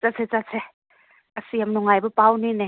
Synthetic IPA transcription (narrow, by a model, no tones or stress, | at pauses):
t͡sasʰet͡sat͡sʰe | ɐsiamnɔŋajbɐpawnine